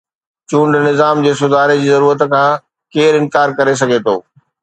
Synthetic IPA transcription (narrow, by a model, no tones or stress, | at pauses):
t͡ɕũːɳɖnɪzaːmd͡ʑeːsʊd̪ʱaːɾed͡ʑiːzɐɾuːɾət̪kʰãː | keːɾɪ̃nkaːɾkɐɾes̬ɐɡʱet̪ʰoː